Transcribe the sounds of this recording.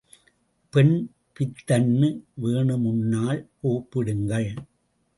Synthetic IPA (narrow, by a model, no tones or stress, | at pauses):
pɛɳ | pɪt̪ːɐnːɯʋeːɳɯmʊnːaːlpoːpːɪɽɯŋɡɐɭ